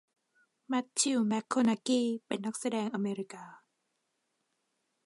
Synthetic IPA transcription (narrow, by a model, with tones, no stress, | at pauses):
mɛ˦˥t̪ʰːi˧wmɛ˦˥kʰːo˧na˧˥kiː˧pe˨˩nːa˦˥k̚sa˧dɛː˧ŋʔa˧meː˧ɾi˦kaː˧